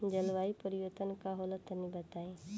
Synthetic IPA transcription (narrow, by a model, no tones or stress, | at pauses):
d͡ʒəlʋaːipəɾɪʋət̪ənkaɦoːlət̪nĩbət̪aːe